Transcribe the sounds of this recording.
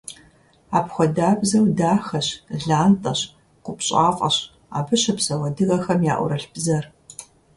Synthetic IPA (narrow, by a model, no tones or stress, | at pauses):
aːpxʷɔdaːbzɐwdaːxɐɕɮaːntʼɐɕ | qʷʊpɕʼaːqʼɐɕ | a̰ːbɨɕɐpsɐwɐdɨɣɐxɐmja̰ːʔʷʊ̰ɾɐɬbzɐr